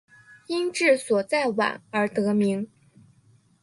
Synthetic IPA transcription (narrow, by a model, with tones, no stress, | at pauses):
i˥nʈ͡ʂɻ̩˥˩swɔ˨˩t͡sa˥˩ɪwa̰˨˩˦nə˞˧˥t̪ɤ˧˥mi˧˥ŋ